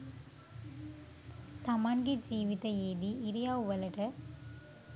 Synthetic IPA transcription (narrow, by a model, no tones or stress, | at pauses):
t̪ɐmaːnɡid͡ʒiːʋɪðɐeːðiɪɾɪjaːʋɐlɐʈɐ